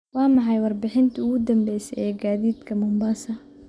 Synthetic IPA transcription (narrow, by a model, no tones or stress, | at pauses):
wɑːmɑħɑjwɑrbɪħɪnt̪ʰɐʊɣʊd̪ɐmbɛjsɛjʔɛːɡaːðiːd̪kʰɐmʊmbɐsɐ